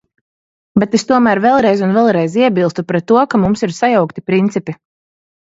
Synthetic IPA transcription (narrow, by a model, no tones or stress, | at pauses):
bet̪est̪uɔmæɾvɛlˠɾɛjzunvɛlˠɾɛjziɛbilˠst̪upɾɛt̪ːuɔkamumsiɾsajawkt̪ipɾint̪sipi